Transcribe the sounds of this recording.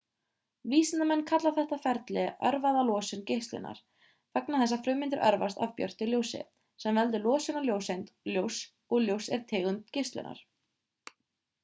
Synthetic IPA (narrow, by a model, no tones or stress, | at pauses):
viːsɪnt̪amɛnːkʰat̪laθɛht̪afɛɾt̪lɪœɾvaðalɔːsʏncejhst̪lʏ̰na̰ɾ̥ | faknaθɛsːafɾʏːmɪnt̪ɪɾʔœ̰ɾvast̪avpjœ̰r̥t̪ɪljowsɪ̰ | sɛmvɛlt̪ʏlɔːsɪnaɾljowsejnt̪ljows | ɔɣljowsɛɾ̥t̪ʰeːɣʏnt̪cehst̪lɪ̰na̰ɾ̥